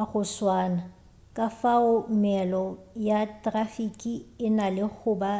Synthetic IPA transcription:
aɣʊswaːna | kʼafaʊmɛlɔjatʼrafikʼiɪnalɪɣʰʊba

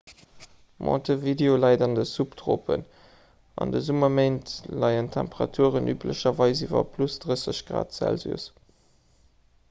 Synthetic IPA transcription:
mʔɑ̰̃ːtʰəvideolɑɪdɑndəsuptʁopʰə̰n | ɑ̰ndəzumɐmeɪntlɑɪəntʰæ̰mpəʁɑ̰tʰuːʁənʔyːplə̰ɕɐvɑɪzivɐ̰pʰlusd̥ʁəsəɕɡ̥ʁa̰ːtsæ̰lzṵːəs

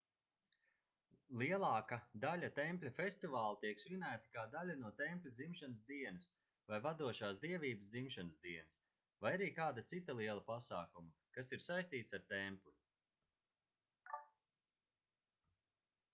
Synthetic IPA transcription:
liɛlˠɑːkad̪alʲat̪ɛmpʲlʲafʲest̪ivaːlˠit̪iɛksvinæːt̪ḁkaːd̪alʲanuɔt̪ɛmpʲlʲud̪zimʃanəsd̪iɛnɐs | vajvad̪uɔʃaːsd̪iɛviːbəsd̪zimʃanəsd̪iɛnɐs | vajaɾiːkaːd̪at̪sit̪alˠiɛlˠapasaːkumakasiɾsajsʲt̪iːt̪saɾt̪ɛmplʲu

